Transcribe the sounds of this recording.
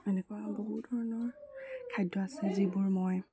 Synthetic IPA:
ɛnɛkwaboɦut̚dʱɔɹɔnɔɹkʰajdɔasɛzibuɹmɔj

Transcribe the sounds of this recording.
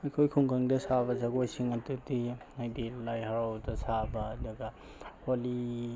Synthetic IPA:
ajkʰojkʰuŋkʰaŋdɐsabɐzaɡojsiŋatudi | ajdilajɦaɾawdɐsabaːdɐɡa | holi

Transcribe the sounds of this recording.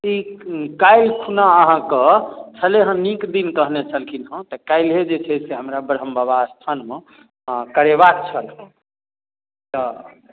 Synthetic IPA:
ikajlkʰunaəɦãkət͡ʃʰəleɦə̃nikd̪inkəɦnet͡ʃʰəlkʰinɦə̃t̪əkajlɦed͡ʒet͡ʃʰɛseɦəmɾabəɾɦəmbaβast̪ʰanmẽ | kəɾeβak̚t͡ʃʰəlɦə̃ | t̪ə

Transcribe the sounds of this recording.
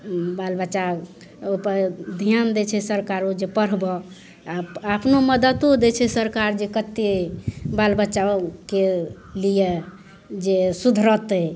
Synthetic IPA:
balbət͡ʃa | opəd̪ʱijand̪et͡ʃʰɛsəɾkaɾod͡ʒepəɾbɔ | aapnoməd̪ət̪od̪et͡ʃʰɛsəɾkaɾd͡ʒekət̪ːebalbətːt͡ʃake | lije | d͡ʒesud̪ʱɾɔt̪ə

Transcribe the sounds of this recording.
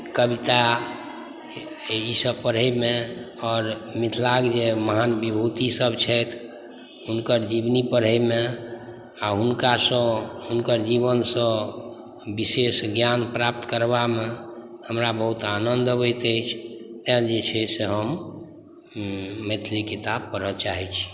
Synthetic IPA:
kəbit̪a | isəb̚pəɾɦəmẽ | ɔːɾmit̪ʰlaɡd͡ʒeməɦanbibʱut̪isəbt͡ʃʰɛt̪ʰ | unkəɾd͡ʒibnipəɾ̤əmẽ | aɦunkasə̃ɦunkəɾd͡ʒiβənsə̃ | bisesɡjanpɾap̚t̪kəɾbamehəmɾabəɦut̪anənd̪ʱəbət̪əjt͡ʃʰt̪ɛld͡ʒet͡ʃʰeseɦəm | et̪ʰlikit̪ab̚kəɾət͡ʃaɦɛt͡ʃʰi̥

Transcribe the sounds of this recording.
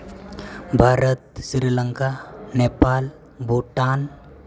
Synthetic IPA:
bʱaɾət̪sɾiləŋkanepal | bʱuʈan

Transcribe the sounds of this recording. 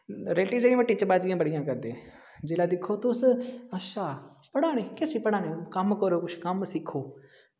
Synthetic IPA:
ɾeːʈiːd͡ʒeːɽĩːʋəʈːiːt͡ʃəbaːd͡ʒɪjãːbəɽɪjãːkəɾd̪eː | d͡ʒeːlaːd̪ɪkʰːoːt̪ʊsəʃaːpəɽaːneːkɪsiːpəɽãːnẽːkəmkəɾoːkʊt͡ʃʰkəmsɪkʰːoː

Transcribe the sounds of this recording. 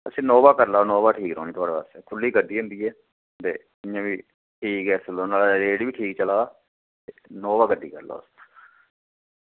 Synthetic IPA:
əsĩːnoːbaːkəɾlaːnoːbaːʈʰiːkɾo̰ːniːt̪ʊaːɽeːpa̰ːst̪eːkʰʊlːiːɡəɖiːʊ̃nd̪iːɛː | t̪ḛː | ɪjãːʋiː | ʈiːɡɛːsəloːnaːlaɾeːɽʋiːʈʰiːk̚t͡ʃəlaː | t̪eːnoːbaːɡəɖːiːkəɾla̰ːst̪ː

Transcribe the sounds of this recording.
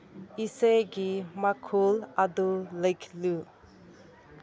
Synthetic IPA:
iseɡimakʰulad̪uləjkʰlu

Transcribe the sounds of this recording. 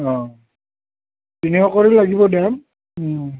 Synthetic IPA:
ɔ̃ | tiniɔkɔɹilaɡibɔdɛm

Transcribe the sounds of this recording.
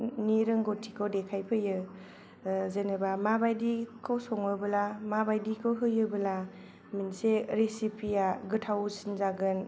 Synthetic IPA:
niɾɯŋɡotʰikʰowdekʰajpʰɯjɯ | zenɯbamabajdikʰɔwsɔŋɯbɯlamabajdikʰɯwɦɯjɯbɯla | minseɾesipʰijaɡɯtʰawsinzaɡɯn

